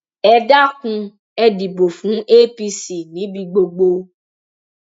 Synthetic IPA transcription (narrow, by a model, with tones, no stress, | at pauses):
ɛ˧da˦kũ˧ | ɛ˧di˨bo˨fũ˨˦e˦pi˧si˨nĩ˨˦bi˧ɡ͡bo˧ɡ͡bo˧